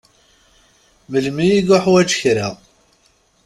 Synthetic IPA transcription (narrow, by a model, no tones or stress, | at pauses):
məlmijiɡʊħwæd͡ʒəçɾiʁ